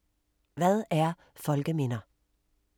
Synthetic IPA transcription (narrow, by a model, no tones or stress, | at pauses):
ʋæðˠæɐ | fɔlɡəmiːnə